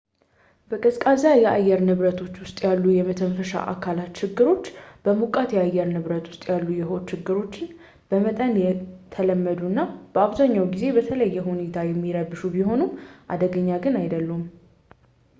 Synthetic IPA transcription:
b̥əkʼɨskʼazajɛʔajːɛɾnɨβɾət̪ʰo̞t͡ʃːwʊst̪ʼjalːujɛmət̪ʰənfəʃa̰ʔa̰kʰalat̪t͡ʃɪɡːɨɾo̞t͡ʃːb̥əmukʼat̪jɛajːɛɾnɨβɾət̪wʊ̥st̪ʼjalːujɛho̞t̪ːt͡ʃːɪɡːɨɾo̞t͡ʃːɪn | b̥əmət̪ʼənjɛt̪ʰələmːəd̪unːab̥əaβzaɲːawɡize̞bət̪ʰələjːɛɦune̞t̪ʰajɛmːiɾəbɨʃubiɦo̞numʔa̰d̪əɡəɲːaɡɨnajd̪əlːum

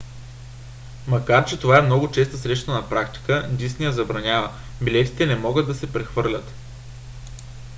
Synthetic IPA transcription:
mɐkaɾt͡ʃɛt̪ovaɛmnɔɡʊt͡ʃɛst̪əsɾɛʃt̪ənɐpɾakt̪i̥kənd̪isnijəzɐbɾɐnʲavə | bilɛt̪i̥t̪ɛnɛmɔɡəd̪d̪ɐsɛpɾɛxvɤɾlʲət̪

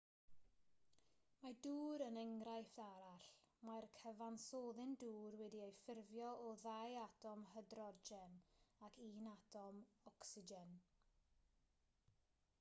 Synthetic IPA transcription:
maduːɾənɛŋɡrajfd̥aɾaɬmarkʰəvansoːðɪnduːrwɛdiejfɪrvjɔɔðajatʰɔmɦədrɔd͡ʒɛnakʰiːnatʰɔmɔksɪd͡ʒɛn

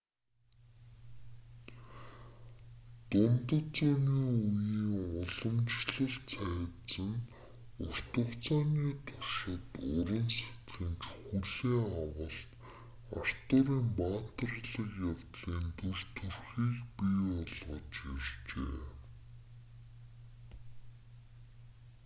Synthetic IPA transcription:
t̪ʊmt̪ə̆t͡sʊmiːuniːʊɮə̆mt͡ɕɮə̆ɮt͡sʰæːt͡sə̆n | ʊr̥t̪ə̆kt͡sʰaːniːt̪ʰʊʃɪ̆t̪ʊɾə̆nse̥t̪xɘ̆nt͡ɕxuɮeːawə̆ɬt̪ | a̰r̥t̪ʊːɾiːmpaːt̪ə̆rɮə̆kjaw̥t̪ɮiːnt̪urt̪ʰurxiːkpiɔɮʁɞt͡ɕirt͡ɕḛː

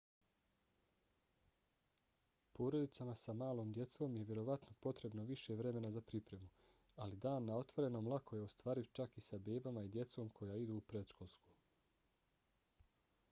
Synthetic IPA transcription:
pʰo̞ːɾo̞d̪itsamasamaːloːmd̪je̞t̪so̞ːmjeʋjeɾo̞ʋat̪no̞po̞t̪ɾe̞bno̞ʋiʃe̞ʋɾe̞me̞nazapɾipɾe̞mu | alid̪aːnːao̞t̪ʋo̞ɾe̞no̞ːmlˠakʰo̞je̞ost̪ʋaːɾiʋt͡ʃakisabe̞ːbamaid̪je̞t̪so̞ːmkʰo̞jaːid̪uːpɾe̞d̪ʃkolˠsku̥

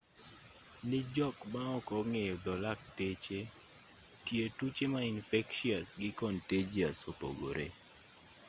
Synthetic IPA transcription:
nɪd͡ʒɔkmaɔkɔŋejɔd̪ɔlak̚tet͡ʃe | tjetut͡ʃemainfɛkʃiasɡɪkɔnted͡ʒiasopo̰ɡo̰ɾʔe

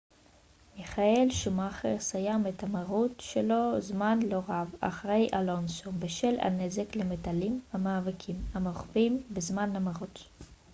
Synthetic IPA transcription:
miχaelʃumaχeʁsajamethamaʁutʃelo̞zmanloʁava̰χʁejʔalonsombeʃela̰ne̞ze̞klemetalimhamaːvikʰimamoχvimbezmanamaʁut

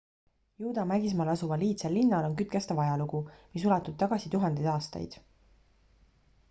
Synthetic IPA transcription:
juːd̪̥ɑmæɡis̬mɑːlɑsuvɑliːt̪selːinːɑlo̞nkyt̪̚kest̪ɑvɑjɑluɡ̥umisulɑt̪ːud̪̥̚t̪ɑɡ̥ɑsit̪uɦɑnd̪ejd̪ɑːst̪ɑ̰jd̪̥

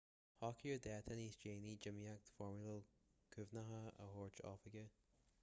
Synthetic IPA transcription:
hɔkʰjəd̪ɛːt̪ʰəniːsd͡ʒeːnid͡ʒɪmiak̚t̪fɔɹmuləlkʰʉvnəɦəə̰hoːɹt͡ʃɔ̰fəɡə

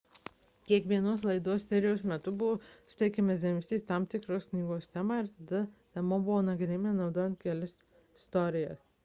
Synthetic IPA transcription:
kʲiɛkʋʲiɛnoːs̬lˠɐɪd̪oɔssʲɛɾʲɪjɛʊsmʲɛt̪ʊbʊʋoːsʲt̪ʲɛɪkʲɛmʲɛsʲd̪ʲɛmʲst̪ʲiːst̪ɑmt̪ʲɪkɾoːsknʲiːɡoːst̪ʲæmɑːɪɾt̪ɐd̪ɐnʲɛmoːbʊʋoːnɐɡɾʲemʲenɒʊd̪oːjɛnt̪̚kʲɛlʲɪs | ɪst̪ɔːɾʲɪjɛs

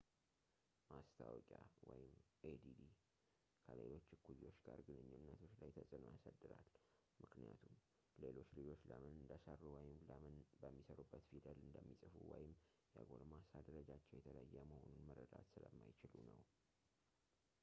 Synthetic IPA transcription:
mast̪ʰawɔkʼawɔjɪmʔed̪id̪i | kʰəle̞lo̞t͡ʃːɨkʰːuliwo̞t͡ʃːɡaɾɡɨnɨɲːunːət̪ʰo̞t͡ʃːlajt̪ʰəsʼɨnojasad̪ːɨɾal | mɨknija̰t̪ʰum | le̞lo̞t͡ʃːlɨd͡ʒo̞t͡ʃːləmɨnɨnd̪əsərːuwɔjɪmləmɨnbəmːisəɾubːət̪fit̪ʰəlɨnd̪əmːisʼɨfuwɔjɪm | jaɡo̞ɾmasad̪əɾəd͡ʒat͡ʃːɛwjɛt̪ʰələjajːɛməho̞nunmərːəd̪a̰t̪sɨləmːajt͡ʃɪlunəw

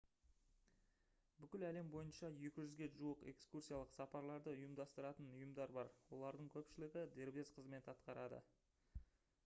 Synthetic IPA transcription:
bʏkʲɪlæle̞mbo̞jənʃɑje̞kʲɪʒʏzɡʲe̞ʒuəqe̞̰kskursʲijɑlˠəqsɑpɑɾlˠɑɾd̪əʊjəmd̪ɑst̪əɾɑt̪ənʊjəmd̪ɑɾbɑɾwo̞̰lˠɑɾd̪əɴkʲʰɵpʃɪlɪɡʲɪd̪e̞ɾbe̞zqʰəzme̞t̪ɑt̪qɑɾɑd̪ə̰

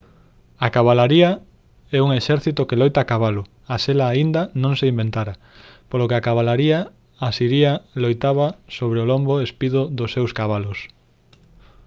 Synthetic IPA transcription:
akaβalaɾia | ɛuŋeʃɛɾθit̪ʊkelojt̪akaβalʊ | aselaːind̪ɐnõŋseimbent̪aɾa | polokeakaβalaɾiaː | siɾialojt̪aβasoβɾeolomboespiðoðʊsːewskaβalos

